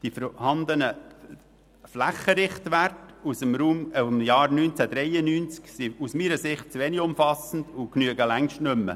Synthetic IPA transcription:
d̪̥ifəɾhɑnd̪ənə | flæχəɾɪχt̪ʋærtusəmɾuːmmjɑːɾnynt͡sæd̥̪ɾɛjənyːnt͡sksiusmiːɾəsɪχt̚t͡sʋeːnɪɡʊmfɑsən̩dʊknyəɡəlæŋʃtnʏmːə̰

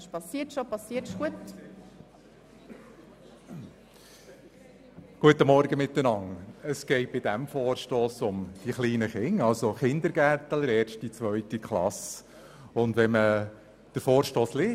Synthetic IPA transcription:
ʃpɑsiːtʃopɑsiːətʃɡuət | ɡ̥uətəmɔɾɡəmɪtːənɑŋəsɡ̥ɛɪt̚b̥ɪdæmfoːɾʃtoːsʊmd̥iχliːnəχɪŋɑlsoχɪnd̪əɾɡæɾt̪ələɾɛːɾʃtit͡sʋœʏtikʰχlɑ̰s | ʊndʋɛmə | d̥əɾfoːɾʃtoːsliː

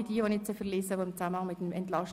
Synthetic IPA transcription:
id̥iːonɪt͡səfəleːsəʋoːɪmt͡samənhɑŋmɪtəmɛntlɑʃ

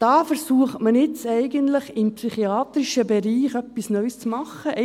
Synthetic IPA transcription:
d̥ɑːfɛɾsuːəχtmənɪt͡sɛɪɡənt̪ləχɪmpsyχiɑːt̪ɾɪʃəbɛɾiːxœpːisnœʏst͡smɑχːəʔ

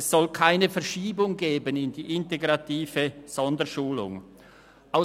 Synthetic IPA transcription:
ssɔlkʰaɪnəfɛɐʃiːbʊŋɡeːbənɪndiːʔɪnteɡʁɑtiːvəz̥ɔndəʃuːlʊ̰ŋ | ʔaʊ

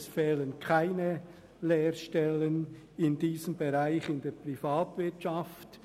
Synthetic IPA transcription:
sfɛːlənkʰaɪnə | leːɾʃtɛlən | ɪndiːzəmbeʁaɪçɪndɛːɐpʁifaːtvɪɐtt͡ʃaft

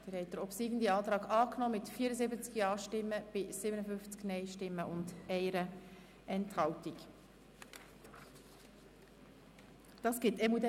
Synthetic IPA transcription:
d̪̥əɾhɛɪt̚ːəɾɔpsiːɡən̩d̪iɑːt̪ɾɑːɡɑːknɔːmɪtfiːəɾəzɪbət͡skjɑːʃtɪmːəb̥ɪsɪbənəfʏft͡sknɛɪʃtɪmːəʔʊndɛɪɾə | ɛnthɑltik | d̥ɑːsɡ̥ɪtɛmud̪ɛ

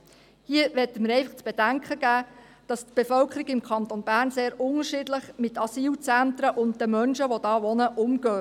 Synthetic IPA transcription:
hiəʋɛtəməɾɛɪfɑχt͡sb̥ɛd̥æŋkʰχəɡ̥æː | d̥ɑstb̥efœlkʰəɾɪɡɪmkʰɑnt̪onbæːɾnseːɾʊnəʃɪdləχmɪtɑsiːlt͡sænt̪ɾəʔʊnt̚d̥əmœnʃəʋod̥ɑːʋɔnəʔʊmɡ̥œː

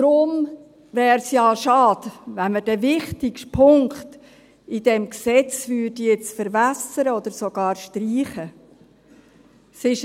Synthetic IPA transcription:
d̥ɾʊm | vɛːɾsjɑːʃɑːd̥̪vænməd̥ɛvɪχtɪkʃpʰʊŋkχt̪ | id̥̪ɛmksɛt͡svʏːdijɛt͡sfəɾvæsəɾəɔd̪əɾsoɡ̥ɑːɾʃtɾiːχə | sɪʃ

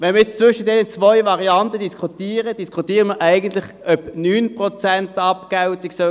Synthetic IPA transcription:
ʋɛnməɛt͡st͡sʋʏʃədɛnət͡svɔʏvɑʁiɑntəd̥iskʰutiːʁəd̥iskʰutiːʁəməʔæɪɡən̩tlɪχʔœpnyːnpʁot͡sɛntɑpkawtɪksɔ

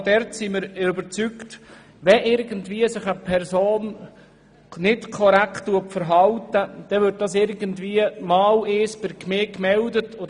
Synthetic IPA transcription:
d̥ɛɾtsimɪɾʏbəɾt͡sykt | ʋɛʔɪɾɡəntviːəsɪχəpʰɛɾzoːn | nɪtkʰɔɾæktːuəpfəɾɦɑltəd̥̪ɛʋʏɾt̚d̥ɑsɪɾɡəntviːəmɑːlɪːspɪɾkmeːkmɛldətʰo

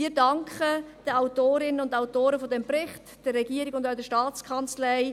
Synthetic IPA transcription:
mɪːdɑŋkχəd̥əaʊtoːɾɪnənʊndaʊtoːɾəfodɛmprɪχt | d̥ɛrːɛɡiːɾɪɡʊndaʊdɛʃtɑːt͡skʰɑnt͡slɛɪ

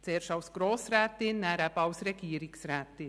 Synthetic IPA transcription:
sɛːɾʃawsɡɾɔːsræt̪ːinnæɾæpawsɾɛkiːɾiksɾæt̪ːi

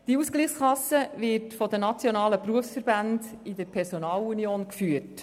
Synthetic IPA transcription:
d̥iuːsɡliːχskɑsːəvɪɾtfɔd̪ənɑt͡sjonɑːləpɾuəfsfəɾbændidəɾpʰɛɾsonɑːlunioːnkfyət

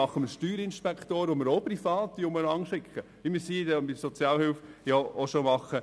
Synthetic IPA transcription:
ɑχəməʃtyːɾɪnʃpɛkt̪oːɾʋomɪɾopɾifɑːt̪iʊmənɑŋʃɪkχəʋɪmɪɾsiːdɛɪsɔt͡sjɑːlhɪlfjaoʃomɑχə

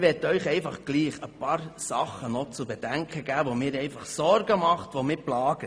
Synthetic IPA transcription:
ʋɛtœʏχɛɪfɑχɡ̥liːχəpɑːɾsɑχːənɔt͡subɛdæŋkʰχəɡ̥æːʋomɪːɾɛɪfɑχsɔɾɡəmɑχt̪ʋomɪplɑːɡ̥ə

